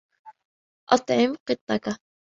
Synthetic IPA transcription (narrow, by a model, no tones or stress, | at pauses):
ʔɑt̪ˤʕɪmqɨt̪ˤːɑka